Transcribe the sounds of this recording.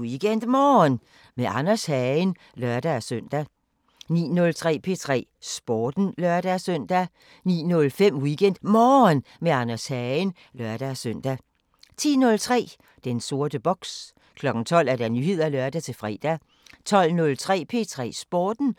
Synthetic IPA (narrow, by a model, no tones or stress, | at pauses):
iɡ̥en̰d̥mɒːn | meʔɑ̈nɐshæn | lɶɐd̥æsøn̰d̥æ | nḭːnɔ̽lt͡sʰʁɛ̰ːpʰe̝̰t͡sʰʁɛ̰ː | sb̥ɒːd̥n̩lɶɐd̥æsøn̰d̥æ | nḭːnɔ̽lfem̰wiɡ̥en̰d̥mɒːn | meɑnɐshɛen | lɶɐd̥æsøn̰d̥æ | t͡sʰḭːnɔ̽lt͡sʰʁɛ̰ː | d̥enso̝ɐd̥əb̥ɒ̽ɡ̥s | kʰlɒ̽ɡ̥n̩t͡sʰɒ̽l̰æɐd̥ænyhe̝ð̞̰ˠælɶɐd̥æt͡sʰe̝fʁɛ̰ːd̥æ | t͡sʰɒ̽l̰nɔ̽lt͡sʰʁɛ̰ːpʰe̝t͡sʰʁɛ̰ːsb̥ɒːd̥n̩